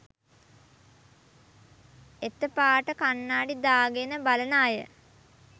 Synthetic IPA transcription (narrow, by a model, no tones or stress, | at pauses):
et̪ːəpaːʈəkanːaːɖid̪aːɡenəbalənaːjə̰